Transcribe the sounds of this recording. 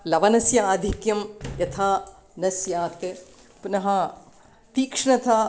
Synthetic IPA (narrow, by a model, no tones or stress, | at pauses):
lɐʋɐnɐsjɐaːd̪ʱikjɐmjɐt̪ʰaː | nɐsjaːt̪e | punɐɦɐ | t̪iːkʂɳɐt̪ʰa